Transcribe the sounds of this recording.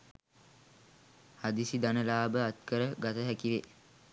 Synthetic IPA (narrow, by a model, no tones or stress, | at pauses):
had̪isid̪anəlaːbəat̪kəɾəɡat̪əɦækiʋe